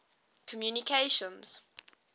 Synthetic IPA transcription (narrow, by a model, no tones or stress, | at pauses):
kʰɔmjunikʰeɪʃə̃nz̥